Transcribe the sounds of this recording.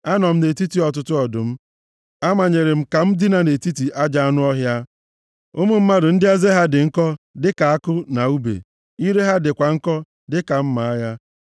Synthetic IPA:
a˦nɔ˨m̩˦ne˨ti˦ti˨ɔ˨t̬ʊ˦tʊ˦ɔ˨dʊ̰˨m̩˦ | a˦ma˨ɲe˨ɾe˨m̩˨ka˨m̩˦dɪ˦na˨ne˨ti˦ti˨ʔa˦d͡ʒa˦a˦nʊ˦ɔ˦ɦja˦ | ʊ˦mʊ˦m̩˦ma˦dʊ˨n̩˦dɪ˦a˦ze˦ɦa˦dɪ˨ŋ̩˦kɔ˦dɪ˦ka˨a˦kʊ˦na˨u˦bḛ˨ | i˦ɾe˦ɦa˦dɪ˨kʷa˨ŋ̩˦kɔ˦ | dɪ˦ka˨m̩˦ma˨a˦ja˦

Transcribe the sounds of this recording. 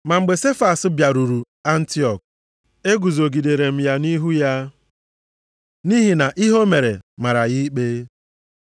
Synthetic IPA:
ma˨ŋ͡m̩˨ɡ͡be˨se˦fa˨sbja˨ɾu˨ɾu˨ | a˦n̩˦ti˦ɔ˨k̚ | e˦ɡu˨zo˨ɡi˨de˨ɾe˨m̩˦ja˦ni˦ɦu˦ja˦ | ni˦ɦi˨na˨ʔi˦ɦo˦me˨ɾḛ˨ma˨ɾa˨ɣi˦k͡pe˦

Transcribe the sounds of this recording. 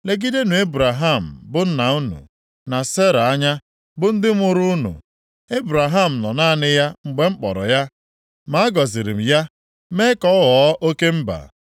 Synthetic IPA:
le˦ɡi˦de˦nu˨e˦bu˨ɾa˨ɦa˦˨m̩˨bʊ˦n̩˦na˨u˦nṵ˨ | na˨se˦ɾa˨a˦ɲa˦ | bʊ˦n̩˦dɪ˦m˦ʊ˦ɾʊ˦nṵ˨ | e˦bɾa˨ɦa˦˨m̩˨nɔ˨naː˦˨nɪ˦ja˦ŋ͡m̩˨ɡ͡be˨ŋ͡m̩˦k͡pɔ̰˨ɾɔ̰˨ja˦ | ma˨˦a˦ɡɔ˨zɪ˨ɾɪ̰˨m̩˨ja˦ | me˦kɔ˦wɔ˨˦ʔo˦ke˦m̩˦ba̰˨

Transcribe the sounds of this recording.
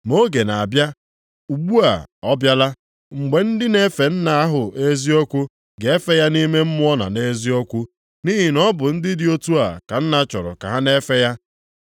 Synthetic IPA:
mo˦ɡe˨na˨a˨bja˦ | u˨ɡ͡bu˦a̰˨ɔ˦bja˦la˦ | ŋ͡m̩˨ɡ͡be˨n̩˦dɪ˦ne˦fe˨n̩˦na˨a˦ɦʊ˨ʔe˦zi˦o˦kʷʊ˦ | ɡe˨˦e˦fe˦ja˦ni˦me˦m̩˦mʊ˦ɔ˦na̰˨ne˦zi˦o˦kʷu˦ | ni˦ɦi˨nɔ˦bʊ˨n̩˦dɪ˦dɪ˦o˦tu˦a̰˨ka˨n̩˦na˦t͡ʃɔ̰˨ɾɔ̰˨ka̰˨ɦa˦ne˦fe˦ja˦

